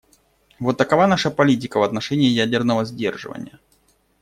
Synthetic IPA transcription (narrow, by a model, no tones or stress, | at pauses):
vo̞t̪ːəkɐvanaʂəpɐlʲit̬ʲɪkəvɐt̪nɐʂɛnʲɪːjædʲɪrnəvəzʲdʲe̞̰rʐɨ̰və̰nʲɪjə